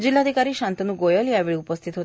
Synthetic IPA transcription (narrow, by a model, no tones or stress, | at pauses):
d͡ʒilːad̪ʱikaɾiːʃãnt̪ənuɡojəljaʋiɭupəst̪ʰit̪ɦo